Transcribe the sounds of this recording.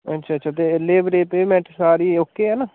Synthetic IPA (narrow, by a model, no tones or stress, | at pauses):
ə̰tːʃʰaːʃʰaːt̪eːleːbɾeːpeːmɛ̃ːɳʈsaːɾiːoːkːeːɦɛːnaː